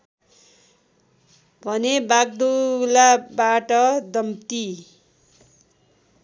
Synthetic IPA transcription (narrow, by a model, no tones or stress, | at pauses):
bʱʌnebak̚d̪ulabaʈʌd̪ʌmt̪i